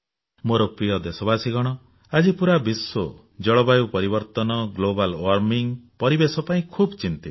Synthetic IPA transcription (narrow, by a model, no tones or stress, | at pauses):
moɾɔpɾijɔd̪esɔbasiɡɔɽ̃ɔ | ad͡ʒipuɾabiswo | d͡ʒɔɭɔbajupɔɾibɔɾt̪ɔnɔɡlobalwaɾmiŋpɔɾibesɔpaĩkʰubt͡ʃint̪i